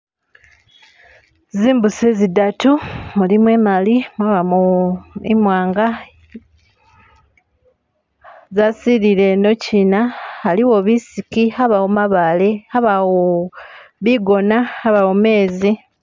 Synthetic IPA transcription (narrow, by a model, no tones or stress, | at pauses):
ziːmbusezidatumulimwe̞ːmalimwaβamuimwaːŋɡa | zasiɾile̞no̞cinahaliwo̞βisikihaβawomaβale̞haβawo | βiɡo̞nahaβawome̞ːzi